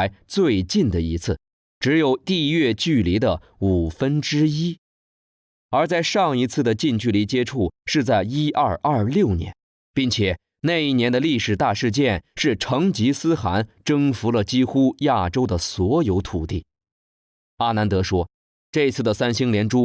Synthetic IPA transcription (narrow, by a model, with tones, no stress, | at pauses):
ɪt͡swe˥˧ɪt͡ɕi˥˩nd̪ə˩i˧˥t͡sʰɹ̩˥˩ | ʈ͡ʂɻ̩˧˥jo˨˩˦ʊt̪i˥˧ɥɛ˥˧t͡ɕy˥˩li˧˥d̪ə˨ | u˨˩fə˥nʈ͡ʂɻ̩˥i˥ | ə˞˧˥t͡sa˥˧ɪʂɑ˥˩ŋi˧˥t͡sʰɹ̩˥˩d̪ə˩t͡ɕi˥˧nt͡ɕy˥˩li˧˥t͡ɕjɛ˥ʈ͡ʂʰu˥˩ʂɻ̩˥˧t͡sa˥˩ɪi˥ʔɐ˞˥˧ʔɐ˥˧ljo˥˩ʊnjɛ̰˧˥n | pi˥˩ŋt͡ɕʰjɛ˨˩ | ne˥˧ɪi˥˩njɛ˧˥nd̪ə˧li˥˩ʂɻ̩˨˩t̪a˥˧ʂɻ̩˥˧t͡ɕjɛ˥˧nʂɻ̩˥˩ʈ͡ʂʰɤ˧˥ŋt͡ɕi˧˥sɹ̩˥xa˧˥nʈ͡ʂɤ˥ŋfu˧˥lə˨t͡ɕi˥xu˥ja˥˩ʈ͡ʂo˥ʊd̪ə˨swɔ˧˥jo˧˥ʊt̪ʰu˨˩t̪i˥˩ | a˥na˧˥nt̪ɤ˧˥ʂwɔ˥ | ʈ͡ʂɤ˥˧t͡sʰɹ̩˥˩d̪ə˩sa˥nɕi˥ŋljɛ˧˥nʈ͡ʂu˥